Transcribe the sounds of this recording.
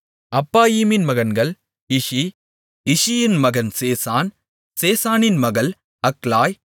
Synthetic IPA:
ɐpːaːjiːmɪnmɐɣɐnɡɐɭ | ɪʂi | ɪʂɪjɪnmɐɣɐnseːsaːn | seːsaːnɪnmɐɣɐl | ɐklaːj

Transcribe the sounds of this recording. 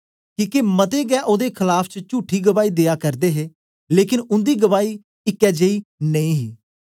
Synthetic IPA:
kiːkemət̪eːɡɛːʔoːd̪eːkʰɪlaːpʰt͡ʃət͡ʃuːʈʰːiːɡəʋaːiːd̪eːjaːkəɾd̪eːɦeː | leːkɪnʊ̃nd̪iːɡəʋaːiː | ɪkːɛːd͡ʒeiːnəĩːɦiː

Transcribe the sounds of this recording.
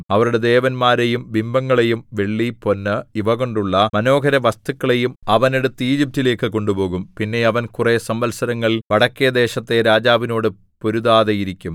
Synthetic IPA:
ɐʋɐɾuɽe̞d̪e̞ːʋɐnmaːɾejumʋimbɐŋːɐɭejumʋe̞ɭːipo̞nːɨiʋɐɣo̞ɳɖuɭːɐmɐno̞ːkɐɾɐʋɐst̪ukːɐɭe̞jumɐʋɐne̞ɽut̪ːɨiːd͡ʑip̚tːile̞ːkːɨko̞ɳɖubo̞ːɣumpinːe̞ɐʋɐnkuresɐmbɐlsɐɾɐŋːɐɭʋɐɽɐkːijɐd̪e̞ːɕɐt̪ːe̞ɾaːd͡ʑaːʋino̞ːɽɨ | po̞ɾuðaːðɐjiɾikʲːum

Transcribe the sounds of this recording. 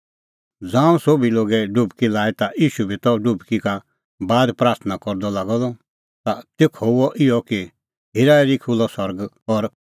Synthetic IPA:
d͡zãːũsobiloːɡɛɖʊbkilaːit̪aʔiːʃubʱit̪ɔɖʊbkika | baːd̪pɾaːɾt̪ʰnakɔɾd̪ɔlaːɡɔlɔ | t̪at̪ekʰɔʊɔʔɪɔki | ɦɪɾaːɛɾikʰulɔsɔɾɡ | ɔɾ

